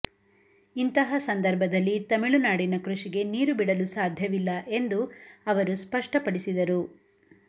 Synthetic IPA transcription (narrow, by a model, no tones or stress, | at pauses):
int̪ɐɦɐsɐnd̪ɐɾbʱɐd̪ɐlːit̪ɐmiɭunaːɽinɐkɾuʂiɡe̞niːɾubiɽɐlusaːd̪ʱjɐʋilːɐʔe̞nd̪uɐʋɐɾuspɐʂʈɐpɐɽisid̪ɐɾu